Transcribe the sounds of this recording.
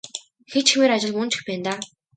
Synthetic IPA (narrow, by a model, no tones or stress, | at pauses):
xet͡ɕxemeːɾat͡ɕɪ̆ɮmɵn̥t͡ɕʰɪ̥̆xpæːnt̪aː